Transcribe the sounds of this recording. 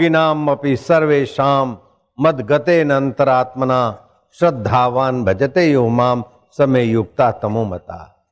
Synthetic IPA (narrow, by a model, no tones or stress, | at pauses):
ɡinaːmːɐpisɐɾʋeːʃaːmː | ɐd̪ɡɐt̪eːnɐnt̪ɐɾaːt̪mɐnaː | ʃɾɐd̪ʱːaːʋaːnbʱɐd͡ʒɐt̪eːjuɦmaːm | sɐmeːjuk̚t̪aːt̪ɐmoːmɐt̪a̰ː